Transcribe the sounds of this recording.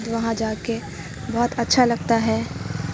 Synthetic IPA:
d̪ʋɐɦãd͡ʒaːke | bɔɦt̪ɐtːʃʰalɐɡ̚t̪aɦɛː

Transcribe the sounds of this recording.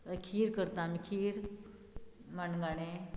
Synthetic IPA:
kʰiːɾkəɾt̪ãmikʰiːɾ | manɡaɽ̃e

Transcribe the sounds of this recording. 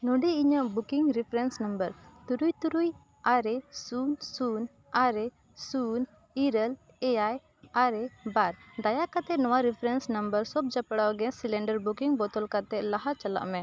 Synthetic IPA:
nɔɖiiɲəʔbukiŋɾipʰɾɛnsnəmbəɾt̪uɾujt̪uɾuj | aɾɛsunsun | aɾɛ | sun | iɾəl | ɛaj | aɾɛbaɾd̪ajakat̪ɛnɔwaɾipʰɾɛnsnəmbəɾsɔb̚d͡ʒapɽawɡɛsilɛɳɖəɾbukiŋbɔt̪ɔlkat̪ɛʔlaɦat͡ʃala̰ʔmɛ̃

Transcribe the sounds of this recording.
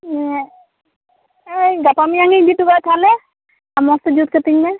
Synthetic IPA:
ejɡapamijaŋizituɡat̪ʰalɛ | amɔstɔd͡ʒut̪̚kət̪iŋnɛ

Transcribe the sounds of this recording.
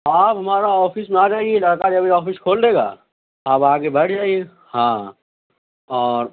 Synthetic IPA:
aːpɦɐmaːɾaɔːfɪsmẽaːd͡ʒaːeɡielɐɽkaɾɐbʱiɔːfɪskʰoːld̪eːɡa̰ː | aːpaːɡebɐʈʰd͡ʒaːie | hãː | ɔːɾ

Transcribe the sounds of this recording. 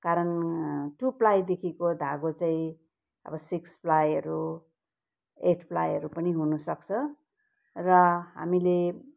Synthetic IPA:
kaɾʌnʈuplajd̪ekʰikod̪ʱaɡot͡saĩ | ʌ̰bʌsiksplajʌɾu | eʈʰpla̰jʌɾupʌniɦunusʌk̚t͡sʰʌ | rʌɦa̰mile

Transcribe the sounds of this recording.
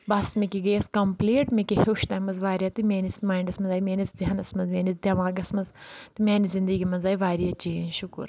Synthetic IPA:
bɐsmikiɡɐjɐskɐmpleːʈmikihoːʃt̪ɐːmɐzʋaːɾjat̪imʲeːnismaːiɳɖɐsmɐnzaːjimeːnisd̪ʲɐnɐsmɐzmʲeːnit͡sd̪ʲjɐmaːɡɐsmɐzt̪imʲɛːnizind̪əɡimɐnzaːjiʋaːɾjat͡ʃiːnʃukṵɾ

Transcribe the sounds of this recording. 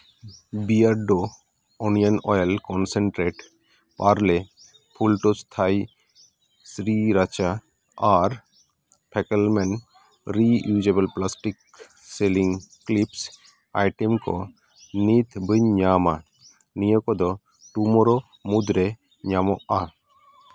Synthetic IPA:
biaɾɖo | ɔnijanɔ̰jlkɔnseɳʈɾeʈ | paɾle | pʰulʈɔst̪ʰaj | sɾiɾat͡ʃa | aɾ | pʰɛkelmɛn | ɾijud͡ʒebəlplasʈik | seliŋklips | a̰jʈemkɔ̰ | nit̪ʰbəɲama | nijɔkɔd̪ɔ | ʈumɔɾɔ | mud̪ɾe | ɲamɔʔa

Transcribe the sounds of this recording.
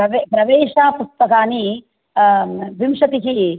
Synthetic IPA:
ɐʋepɾɐʋeːʂaːpust̪ɐkaːni | ʋimʂɐt̪iɦi

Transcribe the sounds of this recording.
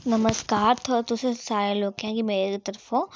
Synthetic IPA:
nɐməskaːɾt̪ʰot̪ʊsesaːɾẽloːɡãkimeːɾekit̪əɾfɦũ

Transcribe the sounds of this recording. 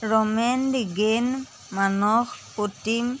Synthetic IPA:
ɹɔmɛndiɡen | manɔxpotim

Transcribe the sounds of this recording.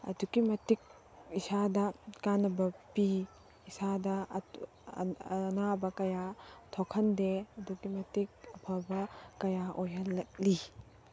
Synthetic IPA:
ɐ̰duɡimɐtik̚ | isadɐkanɐbɐpiː | sadɐ | nabɐkɐjatʰokʰɐndeɐduɡimɐtik̚ɐpʰɐbɐkɐjaʔojɐlːɐk̚li

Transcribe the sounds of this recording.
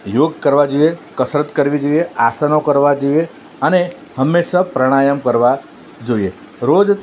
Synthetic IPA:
joɡkəɾʋad͡ʒuekəsɾət̪kəɾʋid͡ʒoieasanokəɾʋad͡ʒue | əne | həmːeʃapɾəɽ̃ajəmkəɾʋa | d͡ʒoie | ɾod͡ʒ

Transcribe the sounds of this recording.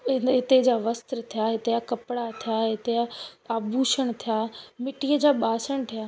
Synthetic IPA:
ɪnɦɪt̪ed͡ʑaːʋɐst̪ɾət̪ʰijaːɦɪt̪eakɐpɽat̪ʰijaːɦɪt̪eaaːbʱuːʃəɽ̃t̪ʰijaːmɪʈijəd͡ʑaːɓaːsəɽ̃t̪ʰijaː

